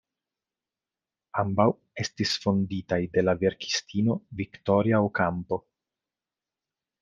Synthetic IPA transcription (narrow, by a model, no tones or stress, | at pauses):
ambaw | e̞stisfo̞nditajde̞lave̞ɾki̥stino̞viktoɾiaokampo̞